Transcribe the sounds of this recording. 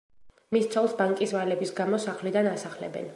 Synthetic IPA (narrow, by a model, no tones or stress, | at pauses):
mist̪sʰɔlˠsbaŋkʼisvalɛbisɡamɔsaχlid̪anasaχlɛ̰bɛ̰n